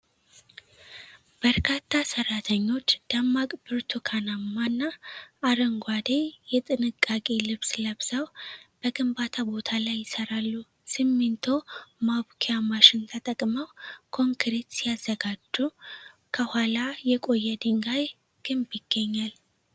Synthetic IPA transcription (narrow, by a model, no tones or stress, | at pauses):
b̥əɾkʰat̪ʰːasəɾːat̪ʰəɲːo̞t͡ʃːd̪̥amːakʼbɨɾt̪ʰukʰanamːanːaːɾəŋɡʷad̪ejɛt̪ʼɨnɨkʼːakʼelɨβsləβsəwb̥əɡɨmbat̪ʰabo̞t̪ʰalajːɪsəɾalːu | sɨmːɨnt̪ʰo̞maβkʰejamaʃɪnt̪ʰət̪ʼəkʼməwkʰo̞ŋkʰɾet̪siazːəɡad͡ʒːu | kʰəhalajɛkʼo̞jːɛd̪ɨŋɡaj | ɡ̥ɨmbjɪɡ̥ːəɲːal